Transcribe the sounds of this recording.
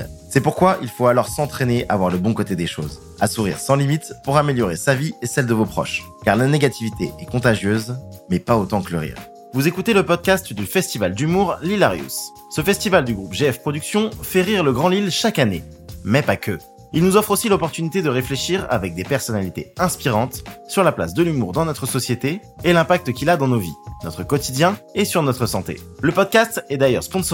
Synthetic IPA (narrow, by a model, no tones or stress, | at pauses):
sɛpuʁkwaʔilfoalɔʁsɑ̃t̪χeneʔa̰vwaʁləbɔ̃kot̪ed̪eʃo̰z | asuʁḭʁsɑ̃limit̪puʁameljɔʁesaviesɛld̪əvopχɔ̰ʃ | kaʁlaneɡat̪ivit̪eʔɛkɔ̃t̪aʒjøzmɛpaot̪ɑ̃kələʁḭːʁ | vuzekut̪eləpɔd̪̚kʲast̪d̪yfɛst̪ivald̪ymuʁlilaʁjṵsː | əfɛst̪ivald̪yɡʁupʒeɛfpχɔd̪yksjɔ̃fɛʁiʁləɡʁɑ̃lilʃakane | mɛpakʰø | ilnuzɔfχosilɔpɔʁt̪ynit̪ed̪əʁefleʃiʁa̰vɛk̚d̪epɛʁsɔnalit̪eɛ̃spiʁɑ̃t̪syʁlapla̰sd̪əlymuʁd̪ɑ̃nɔt̪χəsɔsjet̪eː | lɛ̃pak̚t̪kʲilad̪ɑ̃novḭnɔt̪χəkɔt̪id̪jɛ̃esyʁnɔt̪χəsɑ̃t̪ḛ | ləpɔd̪̚kast̪ɛd̪ajœ̰ʁspɔ̃s